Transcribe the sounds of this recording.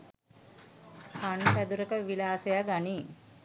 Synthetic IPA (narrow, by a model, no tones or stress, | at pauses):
panpæd̪uɾəkəʋilaːsejaɡani